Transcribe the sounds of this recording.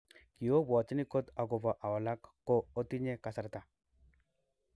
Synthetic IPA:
ki˨jo˦bɔ˨t͡ʃni˦ko˦t̪a˨ɡɔ˨bɔ˨ʔa˨wɔ˨la˦kːo˦o˦t̪i˦ɲe˦ka˨sa˨ɾt̪a˨

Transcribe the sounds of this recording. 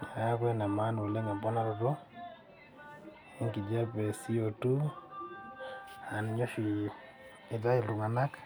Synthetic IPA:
a˨ja˦kwɛ˦na˨ma˦nwe˨le˦ŋa˨mpɔ˦na˨ɾɔ˨dɔ˦ | i˦ŋki˨d͡ʒa˦pɛ˨si˦o˨tu˦ | a˨nɲɔ˦ʃi˨ | ɪ˨ta˦i˨lu˨ŋa˨na˦k

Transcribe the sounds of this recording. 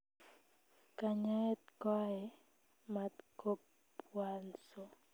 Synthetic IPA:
ka˨ɲa˦ɛ˦t̪̚kɔ˦ɛ˨ | mat̪kʰo˦p | wanso

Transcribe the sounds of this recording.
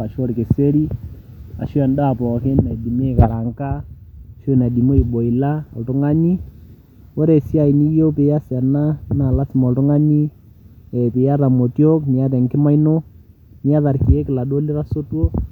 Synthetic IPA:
a˨ʃo˦ɾkɪ˨se˦ɾi˦ | a̰˨ʃu˦ɛ˨nda˦˨pɔː˨kɪ˦nːa˨di˨me˦˨ka˨ɾa˨ŋka˦˨ʃo˦˨na˨di˨mo˦i˨bo˨i˨la˦a̰˨ltʊ˦ŋa˦ni˦ | wɔ˦ɾe˨si˦a˨i˨ni˦jo˦pɪ˨ja˦sɛ˨na˦na˨la˦sɪ˨mɔ˨ltʊ˦ŋa˦ni˦ | ɛ˨pɪ˨ja˦ɾa˨mo˨tjo˦kni˨a˦t̬ɛ˨ŋkɪ˦ma˦ino˦ | ni˦a˦ða˨ɾki˨e˦kɪ˨la˨do˦li˦ɾa˦so˦two˦

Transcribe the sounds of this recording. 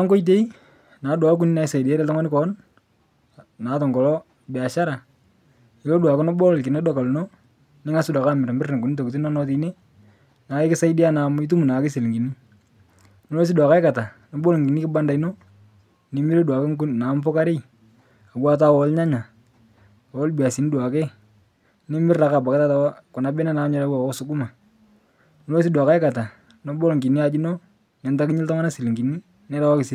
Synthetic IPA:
a˦ŋko˦i˦t̬e˦i˦ | naː˨˦dwa˨˦k̬u˦ni˦na˨ɪ˦sa˨ɪ˨de˨˦ɾɛ˦tɔ˦ŋa˦nɪ˦kɔ˦n | naː˨˦tɔ˨ŋɡɔ˨lɔ˦ | bɛ˨a˨ʃa˦ɾa˨ | ɪ˨lo˦dwa˨kɔ˦nɔ˦bɔ˦lkɪ˨ne˦dɔ˨ka˨lu˨no˦ | nɪ˦ŋa˦sɪ˦da˨ka˦mɪ˨ɾa˨mbɪrna˨ku˨ni˦t̬o˨ku˨t̬i˦nɔ˦nɔ˦t̬i˨ne˦ | naː˨ɪ˦kɪ˦sa˦ɪ˦di˦a˦na˨mɪ˦t̬u˦mu˨na˨kɪ˦si˨lŋɡi˨ni˦ | nɔ˦lo˦s̬ɪ˦dwa˨ka˦ɪ˦ka˨ta˨ | nɔ˨bɔ˦lŋɡi˨ni˦kɪ˦ba˦nda˨i˦no˦ | nɪ˨˦mi˦ɾe˦dwa˨ke˦ŋɡu˦nna˨˦mpɔ˦ka˦ɾɪ˦j | a˨wa˦ta˦wɔ˦lɲa˦ɲa˨ | wɔ˦lbi˨a˨si˨ni˦dwa˨ke˦ | nɪ˦mɪ˦ra˨ka˨ba˨ka˦ta˦ta˨wa˦kʊ˨na˨bɛ˦na˦na˨˦mɲɛ˨la˦wa˨ko˦sʊ˦ɡʊ˦ma˨ | no˦lo˦s̬i˦dwa˨ka˦ɛ˦ka˨ta˨ | no˨˦bɔ˦lŋɡi˨ni˦a˨d͡ʒi˦no˦ | nɛ˨nta˦kɪ˦ɲɪ˦ltɔ˦ŋa˦na˦si˨lŋɡi˨ni˦ | nɛ˦la˦wa˦kɪ˨si˨

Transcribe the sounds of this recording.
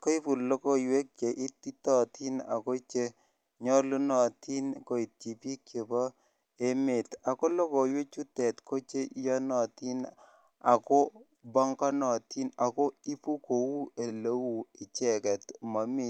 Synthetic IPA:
ko˦i˦pu˨lo˦ko˦˨jwe˦k̚e˨ʔi˦ti˦tɔ˨ti˦na̰˨ko˦t͡ʃe˦ | ɲɔ˦lu˦nɔ˨ti˦nko˨i˨t̚t͡ʃi˨pi˦kje˨bɔ˦ | e˦me˨ta˨ko˦lɔ˦ko˨jwe˦t͡ʃu˦tɛ˨tkʰo˦t͡ʃe˦jɔ˦nɔ˨ti˦n | a˨kɔ˦ | bɔ˦ŋkɔ˦nɔ˨ti˦na˨ko˦i˦pu˦ko˨wu˦e˨le˦wu˦˨ɪ˨t͡ʃɛ˦˨kɛ˨tma˨mi˦˨

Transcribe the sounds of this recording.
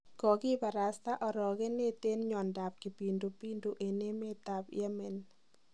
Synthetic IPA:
kɔ˨ɡɪ˦ba˨ɾa˨st̪a˦ʔɔ˨ɾɔ˨ɡe˦ne˦t̪e˦nɲɔ˨nda˨p̚ki˨pi˨ndo˨pi˦ndo˨ʔe˨ne˦me˦t̪a˨pj̰ɛ˦me˨n

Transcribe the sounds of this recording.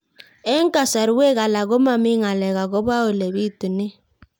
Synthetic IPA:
ɛ˦ŋka˨sa˨ɾwe˦ɣa˨la˨ɣo˦ma˦mi˦ŋa˨lɛ˨ɣa˨ɣo˦βa˦o˨le˨βi˦tu˨ni˦

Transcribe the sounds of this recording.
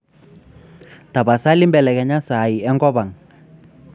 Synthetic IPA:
ta˨ba˨sa˦li˦mbɛ˨lɛ˨kɛ˨ɲa˦sa˨i˨ɛ˦ŋɡɔ˦ba˨ŋ

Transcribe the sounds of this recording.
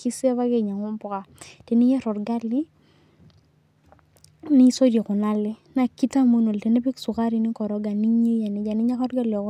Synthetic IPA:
ki˦se˦βa˦ɡe˨ɲa˨ŋʊ˦mpʊ˨ka˨te˨nɪ˦ɲɛ˦ɾɔ˨tɡa˦lɪ˦ | nɪ˦so˦de˨kʊ˨na˦lɪ˦na˨ki˦ta˦mu˦no˨lte˨ne˦pi˦ksʊ˨ka˦ɾi˨nɪ˦kɔ˨ɾɔ˦ɡa˨ni˦ɲe˦ja˨nɪ˨˦d͡ʒa˨nɪ˦ɲa˦kɔ˦tɡa˦lɔ˨k

